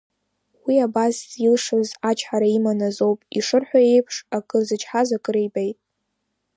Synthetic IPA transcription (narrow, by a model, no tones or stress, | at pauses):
wiabasilʂɨzat͡ʃʰħaɾaimanazo̞wpʼiʂɨrħʷae̞jpʰʂakʼɨrzɨt͡ʃʰħazakʼɨɾejbejtʼ